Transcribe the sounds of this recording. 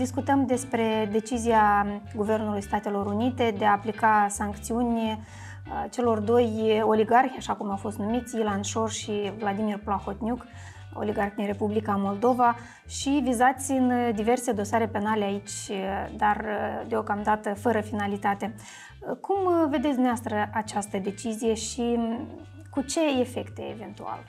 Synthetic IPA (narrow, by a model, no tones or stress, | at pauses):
d̪iskut̪əmd̪e̞spɾe̞d̪e̞t͡ʃizijaɡuve̞rnulujst̪at̪e̞lo̞ɾunit̪e̞d̪e̞aːplikasaŋkt̪siunʲ | t͡ʃe̞lo̞rd̪o̞jo̞liɡarxʲaʃakumawfo̞st̪numit̪sʲilanʃo̞rʃivlad̪imirplaxo̞t̪nʲjuk | o̰liɡarxd̪inre̞publikamo̞ld̪o̞va | ʃivizat̪sʲɨnd̪ive̞rse̞d̪o̞saɾe̞pe̞naleait͡ʃʲd̪ard̪eo̞kamd̪at̪əfəɾəfinalit̪at̪e̞ | kumve̞d̪et̪sʲneast̪ɾəʔat͡ʃast̪əd̪e̞t͡ʃizije̞ʃi | kut͡ʃe̞efe̞kt̪eeve̞nt̪ua̰l